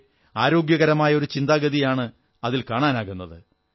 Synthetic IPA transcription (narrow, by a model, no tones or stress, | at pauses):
aːɾo̞ːɡjɐɣɐɾɐmaːjɐo̞ɾut͡ɕind̪aːɣɐðijaːɳɨ | ɐðilkaːɳaːnaːɣunːɐðɨ